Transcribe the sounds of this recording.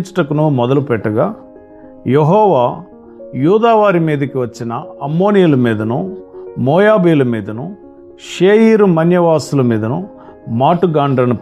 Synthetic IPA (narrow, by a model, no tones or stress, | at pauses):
t͡ʃɐ̥ʈɐkunumɔd̪ɐlupɛʈːɐɡaː | jeɦɔːʋaː | juːd̪aːʋaːɾimiːd̪ɐkiʋɐt͡ʃːinɐɐmːo̞ːnijulɐmiːd̪ɐnumɔːjaːbiːlɐmiːd̪ɐnu | ʃeːjiːɾumɐnjɐʋaːsulɐmiːd̪ɐnu | maːʈuɡaːɳɖɐnup